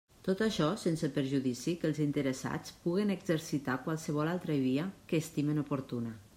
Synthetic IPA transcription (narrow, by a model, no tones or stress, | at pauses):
t̪ot̪aʃɔsensəpəɾʒuðisikəlˠzint̪əɾəsa̰t͡spuɣ̞enəɡzəɾsit̪akwalˠsəβ̞ɔlalˠt̪ɾəβiəkəːst̪imənupuɾt̪una